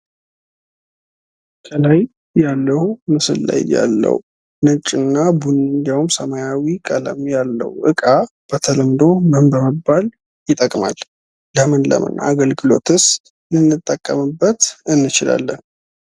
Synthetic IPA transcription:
kʼʰəlaj | jalːəhumɨsɨ̰lːa̰jja̰lːə̰wu | nɨt͡ʃʼːɨnːabunɨnd̪iwumsəmajawikʼələ̰mjalːə̰wʔɨkʼa | b̥ət̪ʰələmd̪o̞məmbəməbːal | jɪt̪ʼəkʼma̰l | ləmɨnlə̰mɨ̰nːa̰ːɡəlɡɨlo̞t̪ʰɨs | lɨnːɨt̪ʼːəkʼːəmɨbːət̪ɨnːɨt͡ʃɪla̰lːən

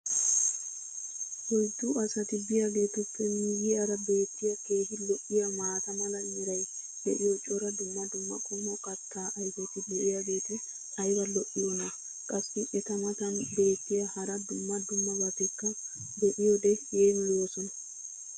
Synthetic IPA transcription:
wɔjd̪ːʊɐsɐt̪ɪbɪjaɡe̞ːt̪ʊpːɛmiːɡɪjaɾɐbe̞ːt̪ːɪjɐke̞ːɡɪlɔʔɪjamaːt̪ɐmɐlɐnɪɾɐj | d̪ɛʔɪjɔt͡ʃʼɔɾɐd̪ʊmːɐd̪ʊmːɐkʼɔmɔkʼɐt̪ːaːʔɐjfɔt̪ɪd̪ɛʔɪjaɡe̞ːt̪ɛ | ʔʼɐjwɐlɔʔɪjɔnɐ | kʼɐsːɪʔɛt̪ɐmɐt̪ɐnbe̞ːt̪ːɪjahɐɾɐd̪ʊmːɐd̪ʊmːɐbɐt̪ɛkːɐ | d̪ɔʔɪjɔd̪ɛjeːmɪloːsɔnɐ

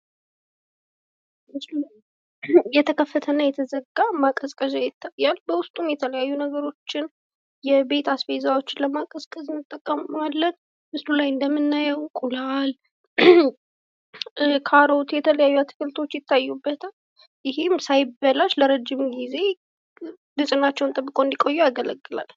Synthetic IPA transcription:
mɨslulj | jɛt̪ʰəkʰəfːət̪ʰənajɛt̪ʰəzəɡamakʼəskʼəzajɪt̪ʰːajalbəwʊst̪ʼumjɛt̪ʰələjajːunəɡəɾo̞t͡ʃːɪn | jɛbe̞t̪ʰasfejzawo̞t͡ʃːɪnləmakʼəskʼəzɨnːɨt̪ʼːəkʼːəmalːən | mɨslulajɨnd̪əmːɨnːajəwkʼulal | kʰaɾo̞t̪jɛt̪ʰələjajːuat̪ʰɨ̥fɨlt̪ʰo̞t͡ʃːjɪt̪ːajːubːət̪ʰal | jɪɦɪmsajɪbːəlaʃləɾəd͡ʒːɪmɡize̞ | bɨt͡ʃʼɨnat͡ʃːɛwnt̪ʼɨbːɨkʼo̞ɨnd̪ikʼo̞jːujaɡələɡːɨla̰l

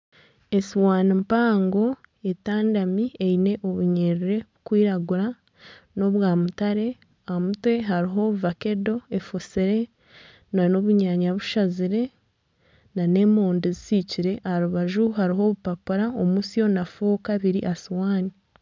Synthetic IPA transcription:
esiwaːnimpaːŋɡo | e̞taːndamieine̞ʔoβuɲeɾiɾe̞βukwiːɾaɡuɾa | no̞βwaːmutaɾe̞ | amutwe̞ɦaɾiɦo̞βuvake̞do̞efosiɾe̞ | nano̞βuɲaɲaβuʃaziɾe̞ | nane̞ːmoːndizisiciɾe̞ʔahaɾuβaʒuɦaɾiɦo̞βupapuɾaomusjo̞nafoːkaβiɾḭʔasiwaːni

